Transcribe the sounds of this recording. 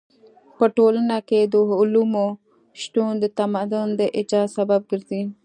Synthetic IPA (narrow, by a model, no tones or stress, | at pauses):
poʈoːlnaked̪uɦulumo | ʃʈuːnd̪et̪ɐmad̪ond̪eʔed͡ʒaːsɐbɐb̚ɡiɾd̪i